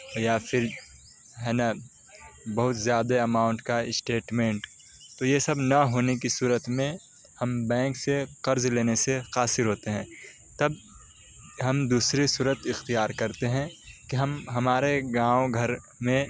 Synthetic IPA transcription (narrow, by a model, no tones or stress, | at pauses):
jafʰɪɾ | ɦɛːna | bɐɦʊt̪zjaːd̪eɐmaːʊ̃ɳʈkaɪsʈeːʈmẽːɳʈ | t̪ojesɐbnɐɦoːnek̬isuːɾət̪mẽ | hɐmbɛ̃ːŋkseqɐɾzleːnesexaːsɪɾɦoːt̪eɦɛ̃ː | t̪ɐb | ɦɐmd̪uːsɾisuːɾət̪ɪxt̪ijaːɾkɐɾt̪eɦɛ̃kiɦɐmɦɐmaːɾeɡãːõɡʱɐɾ | mẽ